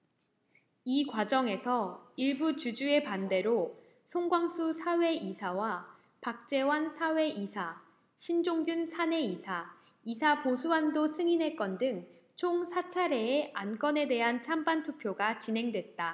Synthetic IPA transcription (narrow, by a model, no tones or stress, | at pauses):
ikwad͡ʑʌŋe̞sʰʌiɭbut͡ɕud͡ʑue̞pande̞ɾo | sʰoŋɡwaŋsʰusʰawe̞isʰawa | pak̚t͡ɕ͈e̞wansʰawe̞ʔisʰa | ɕʰind͡ʑoŋɡjunsʰane̞isʰa | isʰaposʰuandosʰɯŋine̞k͈ʌndɯŋ | t͡ɕʰoŋsʰat͡ɕʰaɾe̞ːʔank͈ʌne̞de̞ɦant͡ɕʰambantʰupʰjoɡat͡ɕinɦe̞ŋdwe̞t̚t͈a